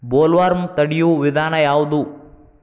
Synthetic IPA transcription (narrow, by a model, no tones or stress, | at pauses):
boːlʋaːɾmt̪ɐɽɪjuʋɪðaːnɐjaːʋɐðu